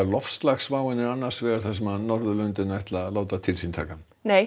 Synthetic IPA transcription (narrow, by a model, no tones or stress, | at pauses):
alɔfst̪laxsvaːwɪnɪɾanːaɾ̥svɛːɣaɾ̥θasɛmaðnɔɾðʏlœnt̪ɪnaajht̪laloːwt̪at̪ʰɪlsint̪ʰaːkan | neːj